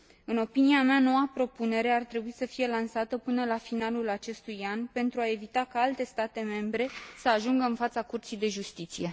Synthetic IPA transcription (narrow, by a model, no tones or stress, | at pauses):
ɨno̞piniameano̞wapɾo̞pune̞ɾe̞art̪ɾe̞buisəfije̞lansat̪əpɨnəlafinalulat͡ʃe̞st̪ujanpe̞nt̪ɾuae̞vit̪akaalt̪e̞st̪at̪e̞me̞mbɾe̞səaʒuŋɡəɨnfat̪sakurt̪sijd̪e̞ʒust̪it̪sije̞